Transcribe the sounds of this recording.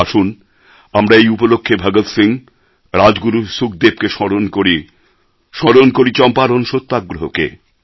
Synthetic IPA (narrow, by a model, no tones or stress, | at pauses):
aʃun | amɾaejupolokʰːebʱaɡod̪siŋ | ɾad͡ʑɡuɾusuk̚d̪ep̚keʃɔɾonkoɾi | ʃɔɾonkoɾit͡ɕɔmpaɾonʃot̪ːaɡːɾoɦokḛ